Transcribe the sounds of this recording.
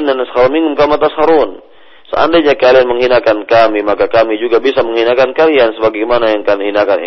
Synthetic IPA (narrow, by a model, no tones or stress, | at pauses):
nansə̥haɾunmiŋʊmkamat̪asəhaɾun | səa̰ndajɲakalianməŋɦinakankamimakakamid͡ʒuɡabisaməŋhinakankaliansəbaɡamanajaŋkanhɦinakan̰